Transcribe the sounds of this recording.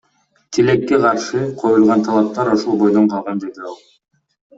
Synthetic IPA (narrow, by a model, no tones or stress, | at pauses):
t̪ʰile̞kːeqʰɑɾʃɯqʰo̞julˠʁɑnt̪ʰɑlˠɑp̚t̪ɑɾoʃolˠbo̞jd̪o̞ɴqʰɑlˠʁɑnd̪e̞d̪iɑlˠ